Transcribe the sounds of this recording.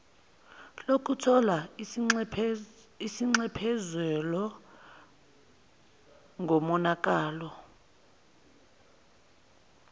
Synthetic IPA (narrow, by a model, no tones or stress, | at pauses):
lokʰutʰɔla | isiŋ͡ǀɛpʰɛzwɛlɔ | ŋʱɔmɔnak̬ʼaːlɔ